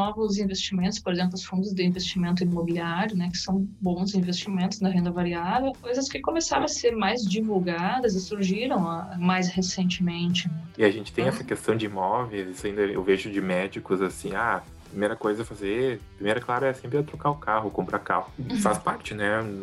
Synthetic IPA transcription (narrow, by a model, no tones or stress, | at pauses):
ɔvʊzĩvest͡ʃimẽnt̪ʊspoɾezẽmplʊɐsfũnd͡ʒ̪ɪzd̪ɪĩvest͡ʃimẽnt̪̬ʊimobiliaɾjʊnɛkɪ̥sɐ̃w̃bõw̃zĩvest͡ʃimẽnt̪ʊznɐɦẽnd̪ɐvaɾiavewpojzɐskɪkomesaɾɐ̃ɐseɾmajzd͡ʒivuwɡad̪ɐzɪsuɾʒiɾɐ̃w̃majs̬hesẽnt͡ʃɪmẽnt͡ʃɪɛɪaʒẽnt͡ʃɪ̥t̪ẽj̃ɛsɐkest̪ɐ̃w̃d͡ʒɪimɔvejzisʊaĩnd̪ɐɛḛwveʒʊd͡ʒɪmɛd͡ʒikʊzasĩa | ppɾimejɾɐkojzɐɛfazeppɾimejɾɐklaɾɐɛsẽmpɾɪɛt̪ɾokaʊkʰaɦʊkõmpɾaka̰hʊfaspaɾt͡ʃɪnɛ